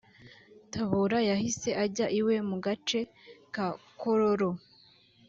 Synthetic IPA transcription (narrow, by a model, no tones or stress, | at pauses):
tʰaβoɾajahise̞ʔaɟaʔiwe̞muɡat͡ʃe̞kakoɾoɾo̞